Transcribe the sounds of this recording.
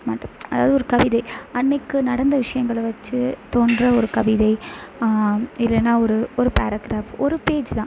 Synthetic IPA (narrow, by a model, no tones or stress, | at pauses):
maːʈːɐmɐðaːʋɐðɯɔɾɯkɐʋɪðɐɪɐnːɪkːɯnɐɽɐnd̪ɐʋɪʂɐjɐŋɡɐɭʋɐt͡ʃːɯt̪oːɳɖrɐɔɾɯkɐʋɪðɐɪ | ɪlːɛnːaːɔɾɯɔɾɯpaːɾɐɡɾaːfɔɾɯpeːd͡ʒt̪ãː